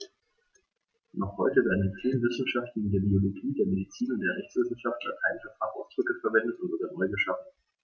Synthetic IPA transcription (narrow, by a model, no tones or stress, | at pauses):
nɔχhɔʏtəvɛɐdn̩ditʰeːnvɪsn̩ʃaftn̩ɪndeːɐbioloɡiːdeːɐmedit͡siːnʊntd̥eːɐʁɛçt͡sv̥ɪsn̩ʃafta̰thaɪnfatʰa̰ːʔaʊsd̥ʁʏkəfɛɐvɛndətʊtzoːɡaɐnɔʏɡəʃaft